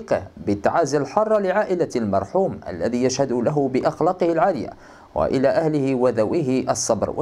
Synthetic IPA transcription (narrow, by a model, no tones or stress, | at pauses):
qbɪt̪ːa̰ʕaːzalħɑrˤːlɪʕaːʔɪlalmɑɾˤħuːmʔa̰lːaðiːjaʃhad̪ʊlaɦʊbɪʔɑxlɑːqɨhalʕaːlɪja̰ | wa̰ʔɪlaːʔahlɪhɪwaðawɪhɪʔɑsˤːɑbɾw̰